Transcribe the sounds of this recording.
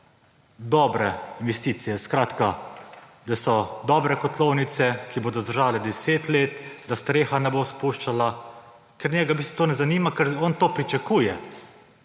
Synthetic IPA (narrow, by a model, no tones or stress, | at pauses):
d̪ɔbɾɛinʋɛst̪iːt̪sijɛskɾaːt̪ka | d̪asɔd̪ɔːbɾɛkɔt̪lɔwnit̪sɛkiboːd̪ɔzd̪əɾʒaːlɛd̪ɛseːt̪leːt̪d̪ast̪ɾeːxanɛboːspuʃt͡ʃala | kɛɾnʲɛɡabist̪ɔ̥t̪oːnɛzaniːmakɛɾɔnt̪oːpɾit͡ʃakuːjɛ